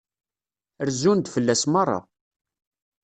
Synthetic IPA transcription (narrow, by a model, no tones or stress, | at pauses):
əɾzund̪fəlːæsmɑrˤːɑ̰